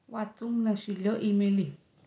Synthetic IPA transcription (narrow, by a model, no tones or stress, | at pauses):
wat͡sumnaʃiloʔimeli